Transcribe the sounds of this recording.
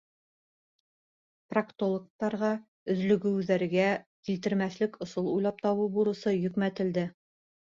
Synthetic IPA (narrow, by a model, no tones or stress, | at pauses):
prakt̪olˠok̚t̪ɑɾʁɑ | ɵ̆ðlɵ̆ɡɘ̆wðæɾɡækilt̪ɘ̆ɾmæθlɘkŏsɤlˠujlˠɑp̚t̪ɑwɤbuɾɤ̆sɤjɵ̆kmæt̪ɘ̆ld̪ɘ